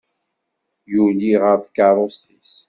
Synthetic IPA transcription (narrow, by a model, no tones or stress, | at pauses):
juliʁəɾθkɑɾˤost̪is